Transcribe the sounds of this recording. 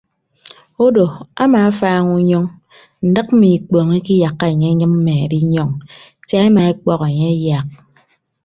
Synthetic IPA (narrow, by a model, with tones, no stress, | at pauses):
o˦do˨a̰˦ma˨a˦faː˦ŋu˦ɲɔ˦ŋ | n̩˨dɨ˦k̚m̩˦mi˨k͡pɔ˨ŋi˦ki˦ja˨kːa˦e˨ɲe˦ɲɨ˦mm̩˦me˨e˨ɾi˦ɲɔ˦ŋ | ta˦e˦ma˨e˦k͡pɔ˦ke˨ɲe˦e˦ja˨k̚